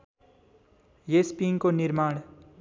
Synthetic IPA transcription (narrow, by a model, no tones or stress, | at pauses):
jespiːŋkonɪɾmaːɽ̃